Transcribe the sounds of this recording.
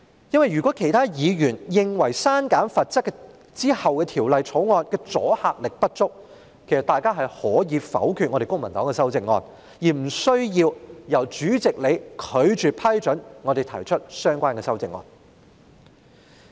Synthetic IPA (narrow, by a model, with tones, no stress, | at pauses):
jɐ˥nwɐ˨jːyː˨kʷwɔː˨˥kʰe˨˩jt̪ʰaː˥jiː˨˧jyː˨˩njɪ˨ŋwɐ˨˩jsaː˥nkaː˨˥nfɐ˨t̚t͡sɐ˥kːɛ˧ | t͡siː˥hɐ˨wkɛː˧t̪ʰiː˨˩wlɐ˨jt͡sʰo˨˥wŋɔː˧nkɛː˧t͡sɔ̰ː˨˥haː˧k̚lɪ˨k̚pɐ˥t̚t͡sʊ˥k̚ | kʰe˨˩jsɐ˨t̪aː˨jkaː˥ɦɐ˨jhɔː˨˥jiː˨˧fɐ̰˨˥wkʰyː˧t̚ŋɔː˨˧ɾe˨kʊ˥ŋmɐ˨˩nt̪ɔː˨˥ŋkɛː˧sɐ˥wt͡sɪ˧ŋːɔː˧n | jiː˨˩m̩˨˩sɵ˥ɥjiː˧wjɐ˨˩wt͡ʃyː˨˥t͡sɪ˨k̚le˨˧jkʰɵ˨˧ɥt͡ʃyː˨pʰɐ˥jt͡ʃɵ˨˥nŋɔː˨˧d̪e˨jt̪ʰɐ˨˩jt͡ʃʰɵ˥t̚sœː˥ŋkʷaː˥nkɛː˧sɐ˥wt͡sɪ˨ŋːɔ̰ː˧n